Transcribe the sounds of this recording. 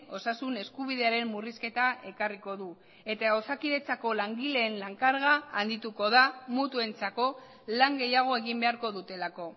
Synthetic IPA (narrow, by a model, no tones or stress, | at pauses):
o̞sasune̞skuβ̞iðe̞aɾe̞mːuriske̞t̪aʔe̞kariko̞ðu | e̞t̪aosakiðe̞t͡sako̞laŋɡile̞ːnlaŋkaɾɣaːnd̪it̪uko̞ðamut̪ue̞nt͡sako̞ | laŋɡe̞jaɣ̞o̞e̞ɣimbe̞aɾko̞ðut̪e̞lako̞